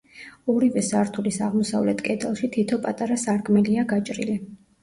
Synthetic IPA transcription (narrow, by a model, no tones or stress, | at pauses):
ɔɾivɛsaɾt̪ʰulisaʁmɔsavlɛt̪ʰkʼɛd̪ɛlˠʃit̪ʰit̪ʰɔpʼat̪ʼaɾasaɾkʼmɛliaɡat͡ʃʼɾḭli